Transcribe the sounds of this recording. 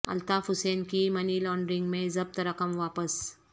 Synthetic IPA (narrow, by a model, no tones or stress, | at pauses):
ɐ̰lt̪afusenkimɐniːlɔɳɖɾiŋɡmẽzəb̚t̪ɾəkəmʋapəs